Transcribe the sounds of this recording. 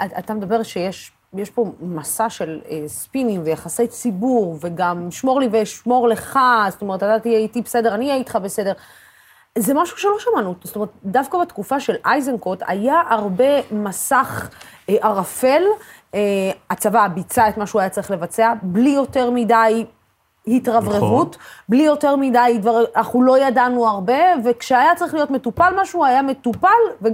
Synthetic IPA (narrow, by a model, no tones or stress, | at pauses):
aat̪amed̪abe̞ʁʃejeʃ | jeʃpo̞masaʃe̞lespinimvejaχase̞jt͡sibuʁve̞ɡamʃmo̞ʁliveʃmo̞ʁle̞χazotome̞et̪atatijeitibese̞de̞ʁaniajit̪χabese̞deʁ | zemaʃu̥ʃeloʃamanutzotoeet̪dafkabet̪kufaʃe̞lʔajzenkot̪ʰa̰jaʔaʁbe̞masaχʔaʁafe̞l | eat͡savabit͡saetmaʃuajat͡saʁiχle̞vat͡se̞ablijo̞te̞ʁmidaj | hitʁavʁeʁutblijo̞teʁmidajdvaʁiʔaχulo̞jadanuaʁbe̞ve̞kʃeajat͡saʁiχlijo̞tmetupalmaʃuajame̞tupalve